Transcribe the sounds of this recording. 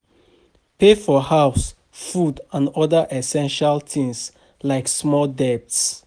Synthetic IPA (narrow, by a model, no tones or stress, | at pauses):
pefɔhaʊs | fudãnɔdəʔɛsɛ̃nʃalt̪ĩŋs | laɪksmɔldɛp̚ts